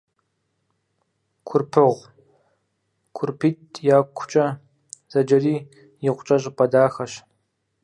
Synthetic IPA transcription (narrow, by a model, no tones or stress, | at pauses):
kʷʰʊrpʰɨʁʷ | kʷʰʊrpʰiːtʼjaːkʷʰʊ̥t͡ʃʼɐ | z̥ɐd͡ʒɐriː | jɪqʷt͡ʃʼɐɕʼɪpʼɐdaːxɐʃ